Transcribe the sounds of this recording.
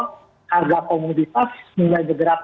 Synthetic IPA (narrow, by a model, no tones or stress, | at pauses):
harɡakɔmud̪it̪asmulajmədəɾap̪